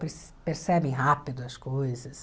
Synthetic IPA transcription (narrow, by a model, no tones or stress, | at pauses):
pes | peɾsɛbẽj̃ɦapid̪ʊɐskojzɐs